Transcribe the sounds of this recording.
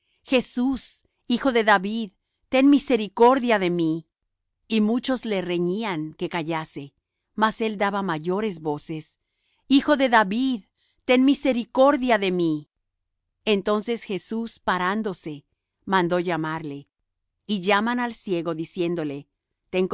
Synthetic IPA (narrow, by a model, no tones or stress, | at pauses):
xe̞sus | ixo̞ðe̞ðaβið | t̪e̞nmise̞ɾiko̞ɾðjaðe̞mi | imut͡ʃo̞zle̞re̞ɲiaŋke̞kaʝase̞ | mase̞ld̪aβamaʝo̞ɾe̞zβo̞se̞s | ixo̞ðe̞ðaβið | t̪e̞nmise̞ɾiko̞ɾðjaðe̞mi | ent̪o̞nse̞sxe̞suspaɾand̪o̞se̞ | mãnd̪o̞ʝamaɾle̞ | iʝamanalsje̞ɣo̞ðisje̞nd̪o̞le̞ | t̪eŋ